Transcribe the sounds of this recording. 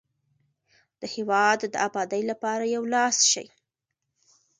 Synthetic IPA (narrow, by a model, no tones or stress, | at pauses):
d̪̥əhewɑd̪ːəabɑd̪əjlapɑɾajawlɑsʃa̰j